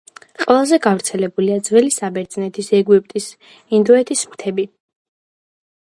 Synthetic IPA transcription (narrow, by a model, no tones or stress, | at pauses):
qʼwɛlˠazɛɡavɾt̪sʰɛlɛbuliad̪zvɛlisabɛɾt̪zʼnɛt̪ʰisɛɡwip̚ʼt̪ʼis | ind̪ɔɛt̪ʰismt̪ʰɛbi